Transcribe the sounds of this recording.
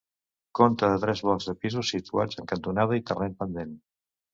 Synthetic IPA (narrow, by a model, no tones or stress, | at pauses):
kont̪əðət̪ɾɛzβɔlˠzðəpizusit̪ua̰d͡zəŋkənt̪unaðəit̪ərenpənd̪en